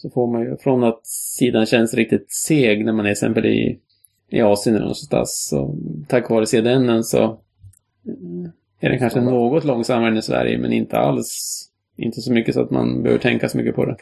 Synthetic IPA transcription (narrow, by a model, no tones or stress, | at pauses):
sɔfoːɾmanjɵfɾɔnat̪siːd̪anɕɛnsɾɪk̚t̪ɪt̪seːɡnæɾmanɛɾɛsɛ̰mpəlɪ̰ | ɪɑːsɪənɛlnɔ̰sɔst̪a̰sɔt̪ʰakːvɑːɾəseːd̪ɛnːənsɔ̰ | æɖɛnkʰanʂənːoːɡɔt̪lɔŋːsamhɛnɪsvæ̰ɾjə̰mɛ̰nɪnt̪ʰəa̰ls | ʔɪnt̪əsɔmʏkːəsɔa̰t̪ma̰nbɛhø̰ːvʈʰɛŋkasɔmʏkːəpʰɔd̪ɛ